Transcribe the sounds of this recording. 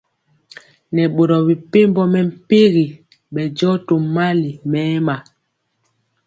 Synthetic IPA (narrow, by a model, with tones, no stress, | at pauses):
nɛ˨ɓo˨ɾɔ˨bi˨pe˦mbɔ˦mɛ˨m̩˨pi˦ɣi˨ | ɓɛ˨d͡ʒɔ˦to˨ma˦li˨mɛː˨˦ma˨